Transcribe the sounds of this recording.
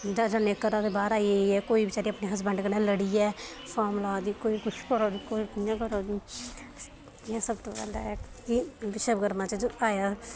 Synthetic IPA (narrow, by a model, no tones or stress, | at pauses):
d͡ʒ̪aːd͡ʒãːneːkːəɾãd̪eːbaːɾaːieiɛːkoːiːbɪt͡ʃaːɾiːaːpneːɦəs̬bə̃ɳɖkəɾneːləɽiɛːpʰɔːɾmlaːd̪iːkoːiːkʊt͡ʃʰkəɾoːikoːikɪjãːkəɾoː | ãːsəbt̪oːbɛ̰ːld̪a̰ːɛː | kiʋɪʃəbɡəɾmãːt͡ʃəaːjaː